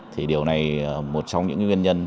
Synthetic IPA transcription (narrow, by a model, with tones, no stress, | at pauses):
t̪ʰi˨˩ɗi˨˩əwna˨˩jmo˨˩t̚t͡ɕɔ˧wŋ͡mɲɨ̰˧˥ŋkːwi˧nɲə˧n